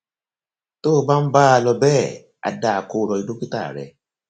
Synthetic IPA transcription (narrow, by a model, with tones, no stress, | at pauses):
toː˦˨˦ba˦m̩˦baː˦a˧lɔ˧bɛː˦˨ | a̰˧da˨a˨ko˨˦ɾɔ˧˨i˧do˦ki˦ta˦˨ɾɛ̰˨